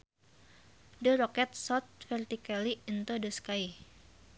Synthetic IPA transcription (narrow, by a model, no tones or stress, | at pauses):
dəɾokɛt̪̚sɔt̪̚fɛrt̪ikaliːnt̪odəskaj